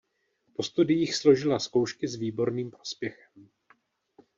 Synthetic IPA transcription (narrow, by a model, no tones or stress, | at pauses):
po̞st̪udɪjixslo̞ʒɪlasko̞wʃkɪzviːbo̞ɾniːmpɾo̞spjɛxɛm